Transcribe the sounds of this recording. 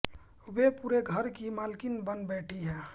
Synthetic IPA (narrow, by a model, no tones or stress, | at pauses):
wepuːɾeɡʱəɾkimalkinbənbɛʈʰiɦɛː